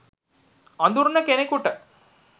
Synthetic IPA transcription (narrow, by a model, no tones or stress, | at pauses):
ɐnd̪uɾnɐkenekːuʈːɐ